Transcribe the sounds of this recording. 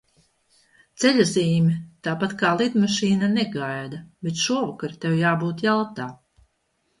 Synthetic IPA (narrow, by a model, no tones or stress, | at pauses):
t̪seʎʲaziːmʲit̪aːpat̪kaːlˠid̪maʃiːnaneɡajd̪abet̪ʃuɔvakaɾt̪ewjaːbuːt̪jalˠt̪aː